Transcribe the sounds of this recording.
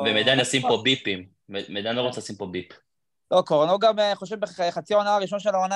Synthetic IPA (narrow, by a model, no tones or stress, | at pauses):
bemed̪anasimpobipim | emed̪anloʁot͡sesimpobip | lokoʁnoɡamiχoʃevbeχat͡siaonaaʁiʃ̬onʃelaona